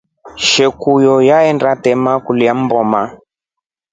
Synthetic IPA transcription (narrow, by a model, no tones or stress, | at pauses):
ʃɛkujɔjaɛndatɛmakuliam̩bɔma